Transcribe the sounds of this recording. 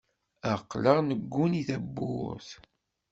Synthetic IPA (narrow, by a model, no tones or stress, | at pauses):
æqːləʁnəɡːuniθæbːʊθ